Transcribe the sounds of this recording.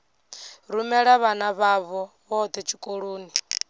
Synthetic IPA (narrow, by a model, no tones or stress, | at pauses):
ɾumɛɺaβanaβaβɔ | βɔd̪ʰɛt͡ʃʰikʼoɺoːni